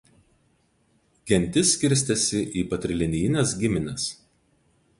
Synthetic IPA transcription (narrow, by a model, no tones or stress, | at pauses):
ɡʲɛnʲˑt̪ʲɪsʲːkʲɪɾʲsʲt̪ʲɛsʲɪʔiːpɐt̪ʲɾʲɪlʲɪnʲɪjɪnʲɛsɡʲɪmʲɪnʲɛs